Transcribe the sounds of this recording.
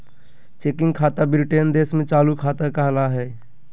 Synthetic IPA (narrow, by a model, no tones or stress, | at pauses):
t͡ʃeːkɪ̃ŋɡkʰaːt̪abɪɾɪʈend̪eːsmẽt͡ʃaːlukʰaːt̪əkəɦlaɦɛː